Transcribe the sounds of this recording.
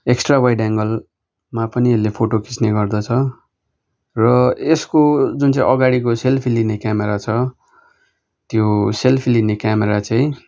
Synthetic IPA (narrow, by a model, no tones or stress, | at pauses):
eksʈrabʌjɖaŋɡʌl | mapʌnielepʰoʈoki̥t͡sneɡʌrd̪ʌt͡sʰʌ | rʌeskod͡zunt͡sãḭ̃ʔʌɡaɽik̬oselpʰilinekjameɾat͡sʰʌ | t̪joselpʰilinekjameɾat͡saĩ